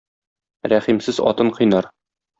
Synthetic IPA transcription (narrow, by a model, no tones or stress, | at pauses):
ɾæχimsɘzɒ̰t̪ɤɴqɤ̆jnɑɾ